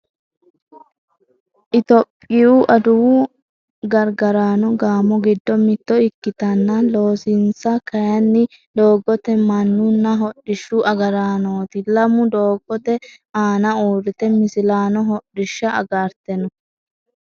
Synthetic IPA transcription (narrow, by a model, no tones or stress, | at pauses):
ʔɪt̪ɔpʼːɪuʔɐd̪ʊwu | ɡɐɾɡɐɾaːnɔɡaːmɔɡɪd̪ːɔmɪt̪ːɔɪkːɪt̪ɐnːɐlo̞ːsɪnsɐkɐjɐnːɪ | d̪o̞ːɡɔt̪ɛmɐnːʊnːɐɦɔɗːɪʃːuʔɐɡɐɾaːnoːt̪ɪlɐmʊd̪oːɡɔt̪ɛ | aːnɐuːɾɪt̪ɛmɪsɪlaːnɔɦɔᶑɪʃːɐɐɡaɾt̪ɛnɔ